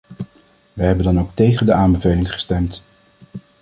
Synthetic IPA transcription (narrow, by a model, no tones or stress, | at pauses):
ʋəɦɛbəndɑnowk̚tejχəndəaːmbəvejlɪŋχə̥stɛmt